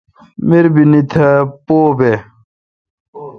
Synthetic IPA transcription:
miɾbinit̪ʰɐpoːbe

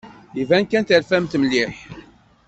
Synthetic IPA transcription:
ivænkænt̪əlfæmt̪məlːiħ

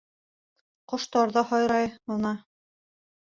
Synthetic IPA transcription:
qŏʃt̪ɑɾðɑhɑjɾɑjonɑ

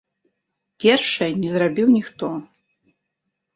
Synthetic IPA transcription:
pʲerʂɐnʲizrabʲiwnʲixt̪ʰʼo

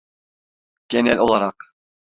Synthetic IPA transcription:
ɡ̥ʲɛnælʲʔolˠɑɾɑq

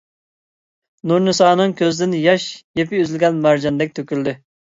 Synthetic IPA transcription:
nuɾnɨsɑːnɨŋkʲʰøzd̪ɪnjɑʃjepɪøzɪlʲɡʲɛnmæɾd͡ʒɑnd̪ɛk̚ʲt̪ʰøkʲyld̪ɪ

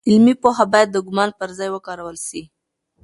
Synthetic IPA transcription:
ɪlmipoɦabɑjad̪̚ːəɡʊmɑnpəɾzɑjwəkɑɾawəlʃi

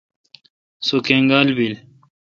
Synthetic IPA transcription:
sokeŋɡalbil

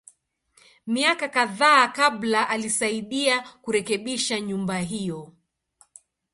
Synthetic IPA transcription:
miakakaðaːkaɓlaʔalisaiɗiakuɾɛkɛɓiʃaɲumbaɦijɔ

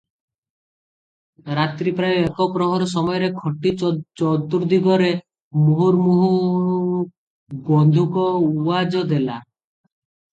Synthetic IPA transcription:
ɾat̪ɾipɾajoekɔpɾɔɦɔɾɔsɔmɔjɔɾekʰɔʈit͡ʃɔt̪uɾd̪iɡɔɾe | muɦuɾmuɦu | bɔnd̪ʱukɔuad͡ʒɔd̪ela̰

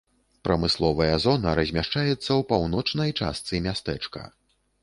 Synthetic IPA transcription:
pɾɐmɨslˠɔvɐjɐzɔnɐɾɐzʲmʲaʂt͡ʂajɛt̪sːɐwpawnɔt͡ʂnɐjt͡ʂa̰st̪sɨmʲast̪ɛt͡ʂkɐ̰

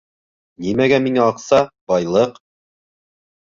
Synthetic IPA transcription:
nimæɡæmiŋæɑqsɑbɑjlˠɤq

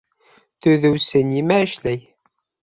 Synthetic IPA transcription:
θuðəwsənimæʃlæj

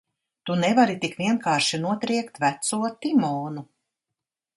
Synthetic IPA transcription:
t̪unɛvaɾit̪ikviɛnkaːɾʃinuɔt̪ɾiɛkt̪væt̪suɔt̪imɔːnu

